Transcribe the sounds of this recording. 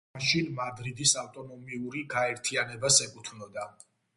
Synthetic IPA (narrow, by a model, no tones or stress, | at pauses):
ʃinmad̪ɾid̪isavt̪ʼɔnɔmiuɾiɡaɛɾt̪ʰianɛbasɛkʼut̪ʰvnɔd̪a